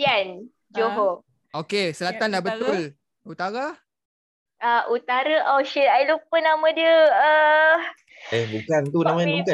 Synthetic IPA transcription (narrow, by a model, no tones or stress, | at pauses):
ian | d͡ʒoɦo | okesəlat̪anlabət̪ʊl | ut̪aɾa | ʔaʔut̪aɾəʔaʃəajlupənamə̃diəə | ehbukant̪unamauka